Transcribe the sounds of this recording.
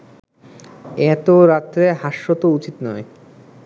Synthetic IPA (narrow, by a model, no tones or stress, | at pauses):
ɛt̪oɾat̪ːɾeɦaʃːot̪out͡ɕit̪nɔe